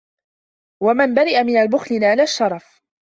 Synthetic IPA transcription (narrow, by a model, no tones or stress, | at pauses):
wamanbaɾɪʔamɪnalbʊxlɪnʕalaʃːɑɾˤɑf